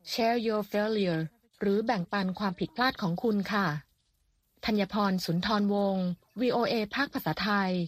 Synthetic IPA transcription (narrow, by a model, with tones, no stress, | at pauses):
t͡ɕʰɛː˧˩joː˧feː˧li˧ | ɾɯː˩˦bɛ˨˩ŋpa˧nkʰwaː˧mpʰi˨˩t̪̚pʰlaː˥˩t̪̚kʰɔː˩˦ŋkʰu˧nkʰa˥˩ | t̪ʰa˧njaː˧pʰɔː˧nsu˩˦nt̪ʰɔː˧nwo˧ŋ | wiː˧ʔoː˧ʔeː˧pʰaː˥˩k̚pʰa˧saː˩˦˥t̪ʰa˧j